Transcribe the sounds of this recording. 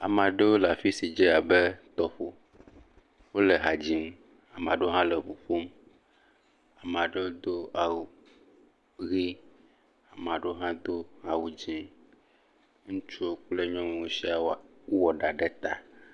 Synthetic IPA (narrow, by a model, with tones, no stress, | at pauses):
a̰˨mã˨ɖə˦wo˦la˨fi˦si˨d͡ʒɛ˦a˨bɛ˦t̪ɔ˨ɸo˨ | wo˦lɛ˨ɦa˨d͡ʑi˨m˦ | a˨mã˨ɖo˦ɦã˦lɛ˨vo˨ɸo˦m | a˨m˨ã˨ɖe˦wo˦d̪o˦a˨wu˨ | ɣi˦ | a˨m˨ã˨ɖo˦ɦã˦d̪o˦a˨wu˨d͡ʒĩ˦ | ŋũ˦t͡ʃu˦o˦k͡ple˦ɲɔ̃˦me˨wo˦si˦a˨˦wɔ˨ɖa˨ɖɛ˦t̪a˨